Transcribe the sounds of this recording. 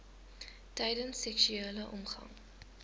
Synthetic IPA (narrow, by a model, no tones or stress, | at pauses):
tɛjdənsːɛksyeːləʔɔmχɐ̰ŋ